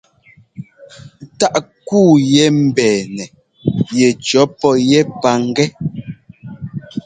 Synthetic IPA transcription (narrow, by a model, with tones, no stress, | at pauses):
ta˦ʔkuː˦˨jɛ˦m̩˨bɛː˨nɛ˨ | jɛ˨t͡ʃɔ˨˦pɔ˦jɛ˦pa˦ŋ̩˦ɡɛ˦